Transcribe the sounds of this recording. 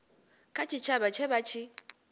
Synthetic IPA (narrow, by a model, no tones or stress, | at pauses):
kʰʼat͡ʃʰit͡ʃʰabat͡ʃʰɛbat͡ʃʰi